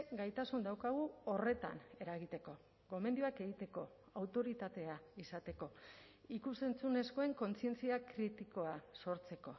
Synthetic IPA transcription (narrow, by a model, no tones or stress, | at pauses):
ɡajt̪asund̪awkaɣ̞uo̞re̞t̪a̰ne̞ɾaɣit̪e̞ko̞ | ɣo̞me̞nd̪iuake̞ɣit̪e̞ko̞ | awt̪o̞ɾit̪at̪e̞aisat̪e̞ko̞ | ikuse̞nt͡sune̞sko̞e̞ŋko̞nt͡sie̞nt͡siakɾit̪iko̞aso̞ɾt͡se̞ko̞